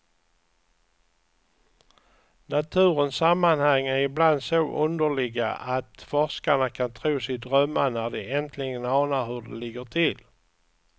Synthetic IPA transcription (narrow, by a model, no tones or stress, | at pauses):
nat̪ʰʉ̟ːɾənsamːanhaŋːæɾɪbland̪soːʔɵnd̪əɭɪɡa̰ʔat̪fɔʂkaɳakʰant̪ʰɾuːsɪd̪ɾœmːanæɖɛʔɛnt̪ʰlɪɡənɑːnaɾhɵɖɛ̰lɪɡːəʈʰɪl